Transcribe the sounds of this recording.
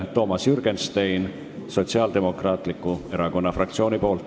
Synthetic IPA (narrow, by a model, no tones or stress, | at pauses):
t̪o̞ːmɑsjyɾɡ̥enst̪ejn | so̞t̪siɑːld̪̥e̞mo̞krɑːt̪ˑlikːˑue̞ɾɑko̞nːɑfrɑk̚t̪sio̞ːnipo̞ːlt̪